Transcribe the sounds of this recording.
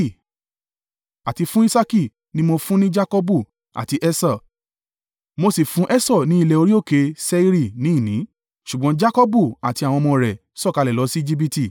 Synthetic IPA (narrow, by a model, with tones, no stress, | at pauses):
a˨ti˧fũ˦i˦sa˦ki˦˨ | nĩ˦mo˧fũ˦nĩ˦d͡ʒa˦kɔ˦bu˦˨ | a̰˨ti˧ʔɛ˦sa˦˨ | mo˧si˨fũ˦ʔɛ˦sɔ˦˨nĩ˦i˧lɛ˧˨o˧ɾi˦o˦˨ke˨˦sɛ˦i˦ɾi˦˧˨nĩ˨˦i˦˨nĩ˨˦ | ʃu˨ɡ͡bɔ̃˧˦d͡ʒa˦kɔ˦bu˦˨a˨ti˧a˨w̃ɔ̃˧mɔ̃˧ɾɛ˨ | sɔ˦˨ka˨˧lɛ˨lɔ˨˧˦si˦i˦d͡ʒi˦p̬i˧ti˦˨